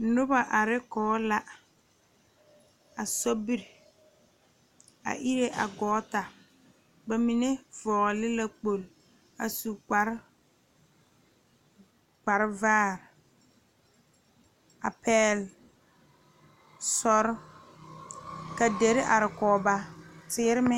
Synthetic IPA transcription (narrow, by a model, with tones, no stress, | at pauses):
nʊ˦ba˨ʔa˨ɾɪ˦kɔː˨˦la˦ | a˨sɔ˦bi˦ɾ | a̰˨ʔi˦ɾe˦ʔa̰˨ɡɔː˨˦ta˨ | ba˨mi˨ne˦vɔː˨ɣɔ˨lɪ˦la˦k͡po˨l | a̰˨su˨k͡pa˨˦ɾ | ɡ͡ba˨ɾɪ˦vaː˦˨ɾ | a˨pɛː˦l | sɔ˦ɾ | ka˨de˨˦ɾɪ˦ʔa˨ɾɪ˨kɔː˨˦ba˦tɪː˦ɾɪ˦mɪ˦